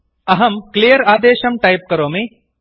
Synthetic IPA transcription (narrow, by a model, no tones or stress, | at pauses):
ɐɦɐmklijəɾaːd̪eːʃɐmʈajp̚kɐɾõːmẽ